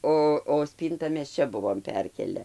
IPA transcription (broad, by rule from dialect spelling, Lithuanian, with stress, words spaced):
ˈoː oː ˈsʲpʲiːntɐ mʲɛs ˈt͡ʃʲɛ ˈbʊʋoːm ˈpʲɛrʲkʲeːlʲɛ